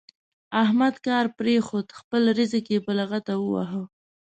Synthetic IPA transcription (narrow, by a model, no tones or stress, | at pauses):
ahmad̪kɑɾpɾexod̪xpəlɾizekepəlaɣat̪awəwa̰ɦə